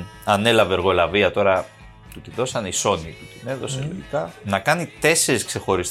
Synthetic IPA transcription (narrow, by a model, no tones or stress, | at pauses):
ɐne̞lɐveeɾɣo̞lɐviɐt̪o̞ɾɐ | t̪ut̪iðo̞sɐniso̞nit̪ut̪ine̞ðo̞set̪ikɐnɐkɐnit̪e̞se̞ɾiskse̞xo̞ɾis